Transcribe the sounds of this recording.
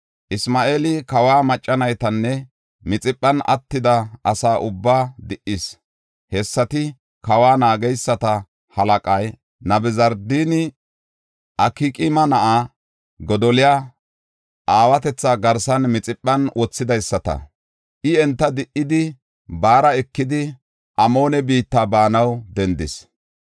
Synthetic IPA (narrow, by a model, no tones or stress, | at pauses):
ʔɪsmaːʔeːlɪkɐwaːmɐt͡ʃʼːɐnɐjt̪ɐnːɛ | mɪt͡sʼɪpʼːɐnɐ̰t̪ːɪd̪ɐʔɐsaːʔʊbːaːd̪ɪʔɪs | hɛsːɐt̪ɪ | kɐwaːnaːɡɛjsːɐt̪ɐ | hɐlɐkʼɐj | nɐbɪzɐɾd̪iːnɪ | ʔɐkikʼɪmɐnɐʔa | ɡɔd̪ɔlɪja | ʔaːwɐt̪ɛt͡sːaɡɐɾsɐnmɪt͡sʼɪpʼːɐnwʔɔt͡sːɪd̪ɐjsːɐt̪ɐ̰ | ʔɪɛnt̪ːɐd̪ɪʔːɪd̪ɪ | baːɾɐɛkːɪd̪ɪ | ʔɐmo̞ːnɛbiːt̪ːaːbaːnɐwd̪ɛnd̪ɪs